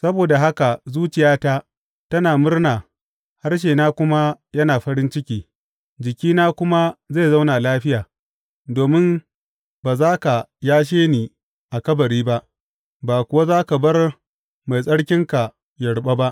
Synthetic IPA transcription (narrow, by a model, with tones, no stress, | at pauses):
sɐ˦boː˨da˨ɦa˦ka˨zuː˦t͡ʃɪ˨jaː˦ta˦ | tɐ˦naː˨mʊ˦rnaː˨ | ha˦rʃ̬eː˨naː˦kʷʊ˦ma˦jɐ˦naː˨ɸɐ˦ɾɪ˦nt͡ʃɪ˦kʲiː˦ | d͡ʒɪ˨kʲiː˦naː˦kʷʊ˦ma˦za˦˨za˦wna˨laː˦ɸɪ˦jaː˨ | doː˨mɪ˦m | baː˨zaː˦ka˨jaː˦ʃ̬eː˦niː˨ | ʔa˨kɐ˦bɐ˨ɾiː˦ba˦ʔ | baː˨kʷʊ˨wa˦zaː˦ka˨bɐ˦r | ma˨jsʼɐ˦ɽkʲɪ˦ŋka˨ | jɐ˨ɽɓa˦ba˦ʔ